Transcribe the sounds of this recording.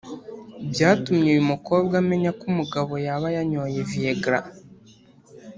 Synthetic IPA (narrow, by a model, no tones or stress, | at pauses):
bɟaːtumɲeːjumuko̞ːbɡame̞ɲakumuɡaβo̞jaβajaɲo̞jevieɡɾa̰